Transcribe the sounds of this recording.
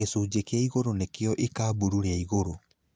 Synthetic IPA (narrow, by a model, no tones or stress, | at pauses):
esuːd͡ʒekeaiɣoɾonekeɔʔikaːbuɾuɾeaiɣoɾo